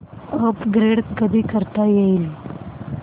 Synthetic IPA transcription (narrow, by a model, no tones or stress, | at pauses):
əpɡɾeɽɡəd̪ikəɾt̪ajeili